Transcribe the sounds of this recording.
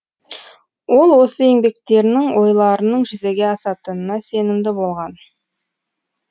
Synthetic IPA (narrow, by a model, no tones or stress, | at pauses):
wo̞lˠwo̞səe̞ŋbe̞kt̪e̞ɾnɪŋwo̞jlˠɑɾənəɴʒʏzeɡʲe̞ɑsɑt̪ənənɑse̞nɪmd̪ɪbo̞lˠʁɑn